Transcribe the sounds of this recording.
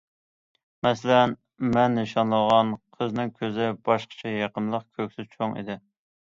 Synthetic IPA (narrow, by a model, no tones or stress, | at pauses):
mɛslɛn | mɛnːɨʃɑnlˠəʁɑnqʰəznɪŋkʲʰøzɪbɑʃqə̥t͡ʃʰɛjɑqənlˠəqkʲʰøkʲsɪzt͡ʃʰoŋḭd̪ɪ